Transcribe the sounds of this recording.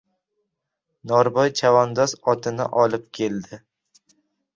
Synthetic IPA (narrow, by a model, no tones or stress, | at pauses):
nɒɾbɒjt͡ʃʰavɒnd̪ɒsɒt̪ʰɪnɪ̰ʔɒlɪp̚kʲʰe̞ld̪ɪ